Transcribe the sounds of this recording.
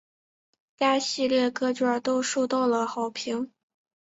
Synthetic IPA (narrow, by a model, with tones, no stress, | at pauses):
t͡ɕja˥ɕi˥˧ljɛ˥˩kɤ˥t͡ɕɥə˞˥˩t̪o˥ʊʂu˥˧t̪ɑ˥˩ʊlə˩xɑ˨˩ʊpʰi˧˥ŋ